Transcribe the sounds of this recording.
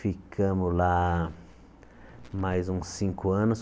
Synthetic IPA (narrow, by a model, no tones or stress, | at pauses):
fikʰɐ̃mʊla | majzũsĩŋkʊɐ̃nʊs